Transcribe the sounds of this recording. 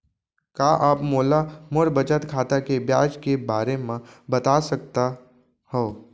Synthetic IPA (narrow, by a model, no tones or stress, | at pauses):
kaːʔaːpmoːlamoɾbət͡ʃət̪kʰaːt̪akebjaːd͡ʒkebaːɾemãbɐt̪aːsɐk̚t̪a | hɛː